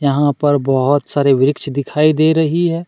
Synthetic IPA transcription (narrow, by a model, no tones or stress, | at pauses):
jɐɦãpɐɾbɐɦʊt̪saːɾeʋɪɾɪkʃd̪ɪkʰaːid̪eːɾɐɦiɦɛː